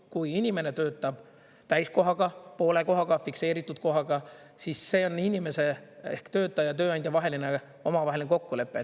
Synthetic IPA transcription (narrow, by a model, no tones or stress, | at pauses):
kujinʲime̞ne̞t̪øːt̪ːˑɑb̥ | t̪æjsko̞ɦɑɡ̥ɑpo̞ːle̞ko̞ɦɑɡ̥ɑfikse̞ːɾit̪ːˑud̪̥ko̞ɦɑɡɑ | sisːe̞ːo̞nːinʲime̞se̞ehkt̪ø̞ːt̪ːˑɑjɑt̪ø̞ːɑnd̪̥ʲjɑvɑɦe̞line | o̞mɑvɑɦelineko̞kːule̞pːˑe̞